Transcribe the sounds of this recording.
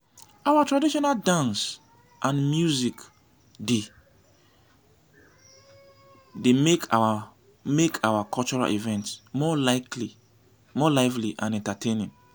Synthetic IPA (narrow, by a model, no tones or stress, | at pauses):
awatʰɹadiʃɔnaldãns | ʔãnmjuzik | de | demekʰaa | mekʰawakʰɔlt͡ʃɔɹa̰lʔḭvɛ̃ntsmɔlakli | mɔlaɪvliʔã̰nɛ̃ntatʰẽnĩŋ